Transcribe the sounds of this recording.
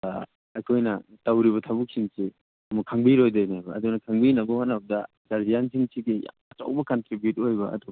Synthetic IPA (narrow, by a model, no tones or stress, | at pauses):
ɐjkʰojnɐtawɾiβɐtʰabuk̚siŋsi | ɐmukʰaŋbiɾojdajnajbɐːdunɐkʰaŋbinɐbɐhat̚nːɐbɐdɐ | ɡaɾzijansʰiŋsiɡia̰ɐta̰wbɐkɐntɾibjut̚ojbɐ̰ɐ̰du